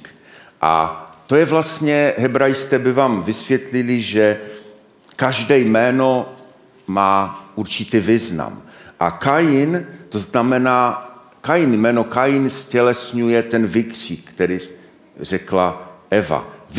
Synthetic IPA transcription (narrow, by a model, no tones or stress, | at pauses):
ʔa̰t̪ojɛvlast̪ɲɛɦɛbɾajɪst̪ɛːbɪvaːmvɪsvjɛt̪lɪlɪʒɛ | kaʒdɛjmɛːno | maːuɾt͡ʃɪt̪iːviːzna̰mʔa̰kajɪnt̪oznamɛnaː | kajɪnmɛːnokajɪnscɛlɛsɲujɛt̪ɛnvɪkr̥iːkkt̪ɛɾi | r̝ɛklaʔɛva̰v